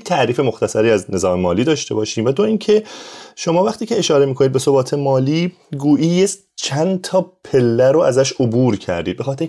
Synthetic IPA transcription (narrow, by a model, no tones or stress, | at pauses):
jet̪ʰæʔɾiːfe̞mo̞xt̪ʰæsæɾiːæzne̞zɒːmemɒːliːd̪ɒːʃt̪e̞bɒːʃiːmvæd̪oiːncʰe̞ʃo̞mɒːvæxt̪iːcʰe̞eʃɒːɾe̞miːkʰonid̪̚beso̞bɒːt̪ʰe̞mɒːliː | ɡuːʔiːje | t͡ʃʰænt̪ʰɒːpʰe̞lːæɾoæzæʃobuːɾcʰæ̰ɾd̪iːd̪̚be̞xɒːt̪ʰeɾi